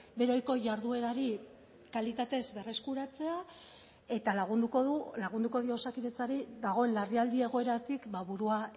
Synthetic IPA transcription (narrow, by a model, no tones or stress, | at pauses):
be̞ɾo̞jko̞ʝaɾðue̞ɾaɾi | kalit̪at̪e̞zbe̞re̞skuɾat͡se̞a | e̞t̪alaɣund̪ukoðulaɣund̪uko̞ðio̞sakiðe̞t͡saɾid̪aɣ̞o̞e̞nlariald̪ie̞ɣ̞o̞e̞ɾat̪ikbaβuɾua